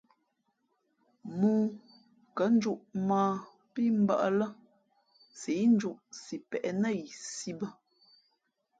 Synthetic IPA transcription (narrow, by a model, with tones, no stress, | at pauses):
muː˦ | kə˨˦n̩˦d͡ʒu˦ʔmaː˨ | pi˦m̩˦ba̰˦˨ʔə˦lə˦ | si˨˦n̩˦d͡ʒu˦ʔsi˨pɛ˨ʔɛ˨nə˦˨i˨si˦bə˦